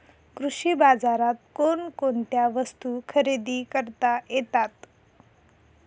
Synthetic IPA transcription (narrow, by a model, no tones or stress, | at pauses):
kɾuɕibad͡zaɾat̪̚konkoɳt̪jaʋəst̪ukʰəɾed̪iːkəɾt̪ajet̪at̪